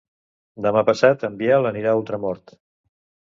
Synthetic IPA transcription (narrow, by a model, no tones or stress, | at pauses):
d̪əmapəsat̪əmbialəniɾaulˠt̪ɾəmɔɾt̪